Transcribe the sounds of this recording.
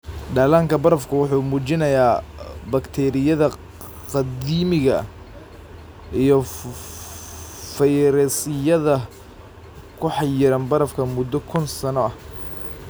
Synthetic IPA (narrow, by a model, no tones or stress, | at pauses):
ɖaːlaːŋkʰɐbɐɾɐfkʰʊwʊħuːmuːt͡ʃɪnɐjaːbɐkt̪ʰɛːɾɪjɐðɐ | qɑd̪iːmɪɣɐ | ʔijɞ | fɐjɾɛːsɪjɐðɐ | kʰʊħɑjɪɾɐnbɐɾɐfkʰɐmʊd̪ːɔkʰʊnsɐnɔɐh